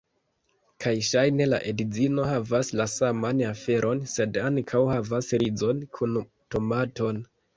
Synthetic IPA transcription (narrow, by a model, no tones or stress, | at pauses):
kʰajʃajne̞laʔedizino̞havaslasamanafe̞ɾʔo̞nse̞daŋkʰawhavasɾizo̞nkʰun | to̞mato̞n